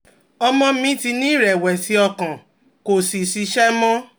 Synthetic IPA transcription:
ɔ˧mɔ̃˧mĩ˦ti˧nĩ˦ɾɛ˨wɛ˨si˨˦ɔ˧kã˨ | ko˨si˨si˧˦ʃɛ˦mɔ̃˦

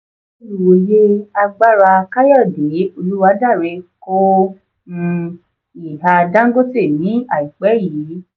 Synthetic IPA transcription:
wo˨je˦a˧ɡ͡ba˦ɾa˧ka˦jɔ˦˨de˨˦o˧lu˦wa˧˦da˦˨ɾe˧ko˦˧ | i˨ɦa˧dã˦ŋ̩˦ɡo˦te˦˨nĩ˨˦a˨i˨k͡pɛ˨˦ji˨˦

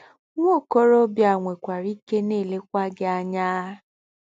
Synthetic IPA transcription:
ŋʷo˦˨ko˦ɾo˦bja˨ŋʷe˨kʷa˨ɾi˦ke˦ne˦˨le˦kʷa˦ɡɪ˦a˦ɲa˦

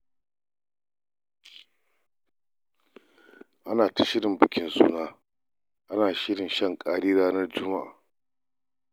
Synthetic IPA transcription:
ʔa˦naː˨ta˨ʃɪ˦ɽɪ˨mbɪ˨kʲɪ˦nsṵː˦naː˦ | ʔa˦naː˨ʃɪ˦ɽɪ˨nʃɐ˦˨ŋkʼaː˦ɽiː˦ɾaː˦nɐ˦rd͡ʒʊ˦ma˦ʔa̰ː˨

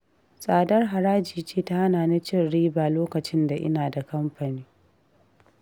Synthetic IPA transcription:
sʼaː˨dɐ˦rɦa˨ɾaː˦d͡ʒiː˨t͡ʃeː˦ta˦ha˦naː˨na˦t͡ʃɪ˦˨nɽiː˦baː˨loː˦kɐ˨t͡ʃɪ˦nda˨ʔɪ̰˦naː˨da˨kɐ˦mɸɐ˨niː˦

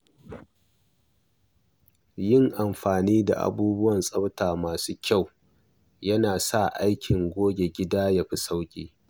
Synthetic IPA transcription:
jɪ˦˨ŋʔa˨mɸaː˨niː˦da̰˨ʔa̰˨buː˦bʊ˦wɐ˨nsʼɐ˦btaː˨maː˨suː˦kʲa˦˨w | jɐ˦naː˨sa˦˨ʔa˦jkʲɪ˨ŋɡʷoː˦ɡʲe˨ɡʲɪ˦daː˦jɐ˨ɸi˨sa˦wkʲʼiː˦

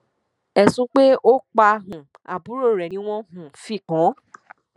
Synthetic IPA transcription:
ɛ˨sũ˦k͡pe˦o˦k͡pa˧ɦũ˨ | a˨bu˨˦ɾo˦˨ɾɛ˨nĩ˦w̃ɔ̃˦ɦũ˨fi˦˨kã˨˦

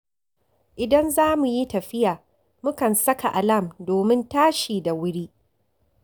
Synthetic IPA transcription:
ʔɪ˨dɐ˦nzaː˦mu˨ji˦tɐ˨ɸɪ˦jaː˨ | mʊ˦kɐ˨nsɐ˦ka˨ʔa˨lɐ˦˨mdoː˨mɪ˦ntaː˦ʃiː˨da˨wʊ˦ɽiː˦

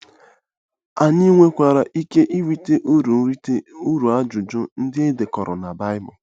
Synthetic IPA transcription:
a˨ni˦ŋʷe˦kʷa˨ɾa˨ʔi˦ke˦ʔi˦wi˨te˦ʔɾu˨˦u˦ɾu˨a˦d͡ʒʊ˨d͡ʒʊ˦n̩˦dɪ˦e˦de˨kɔ˨ɾɔ̰˨na˨ba˦ɪ˦bɔ˨

